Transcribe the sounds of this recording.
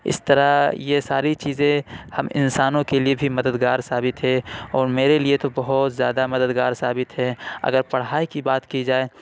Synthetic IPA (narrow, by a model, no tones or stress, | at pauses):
ɪ̰st̪əɾajesaːɾit͡ʃiːzẽhɐmɪ̰̃nsaːnõkeliebʱimɐd̪əd̪ɡaːɾsaːbɪt̪ɦɛ̃ɔːɾmeːɾeliet̪obɐɦʊt̪zjaːd̪amɐd̪əd̪ɡaːɾsaːbɪt̪ɦɛɐ̰ɡəɾpɐɽ̤aːikibaːt̪kid͡ʒaːeː